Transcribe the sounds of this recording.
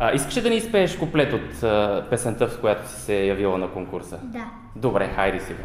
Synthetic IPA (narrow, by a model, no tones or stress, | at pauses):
əʔiskə̥ʃɛd̪ɐnispɛːʃkoplɛt̪ot̪əpɛsənt̪əfkojat̪o̥si̥sɛjɐvilˠənɐkoŋkuɾsəd̪a | d̪obɾɛxajɾisiɡo